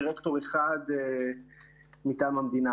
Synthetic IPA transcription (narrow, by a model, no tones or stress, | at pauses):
ʁekt̪o̞ʁeχad̪e | mit̪aːmamd̪ina